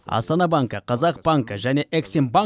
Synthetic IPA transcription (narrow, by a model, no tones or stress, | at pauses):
ɑ̰st̪ɑnɑbaŋkəqʰɑzɑq̚b̥aŋkəʒæne̞ʔeksemba